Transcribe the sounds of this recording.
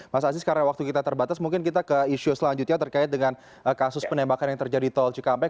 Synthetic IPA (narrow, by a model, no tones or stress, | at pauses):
masaːs̬ɪskaɾawak̚t̪ukit̪at̪ərbat̪asmuŋkɪnkit̪akəiʃusəlaɲd͡ʒut̪̚ɲat̪ərkaɪt̪̚dəŋan | əkasʊspənembakanjaŋt̪ərd͡ʒadit̪ɔld͡ʒukampɛ